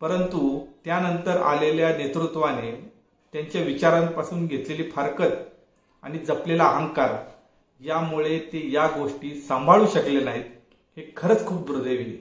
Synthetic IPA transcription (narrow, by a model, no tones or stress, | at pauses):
pəɾənt̪ut̪janənt̪əɾa̰leljanet̪ɾut̪ʋane | t̪jaɲt͡ɕjaʋit͡ɕaɾãmpasuːnɡʱet̪leliːfəɾkət̪ | a̰ɽ̃id͡zəplelaːɦəŋkaɾ | jamuɭet̪ejaɡoʂʈiːsəmbʱaɭuːɕəklenaɦiːt̪ | hekʰəɾət͡skʰuːp̚d̪uɾd̪ʱeʋie